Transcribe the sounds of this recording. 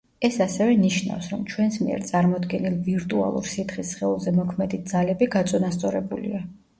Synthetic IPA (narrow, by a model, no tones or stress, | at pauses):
ɛsasɛvɛniʃna̰fsɾɔmt͡ʃʰwɛnsmiɛ̰ɾt̪sʼaɾmɔd̪ɡɛnilˠviɾt̪ʼua̰lˠṵɾsit̪χisχɛulˠzɛmɔkʰmɛd̪it̪̚z̥alɛbiɡat̪sʼɔnast̪sʼɔɾɛbulḭa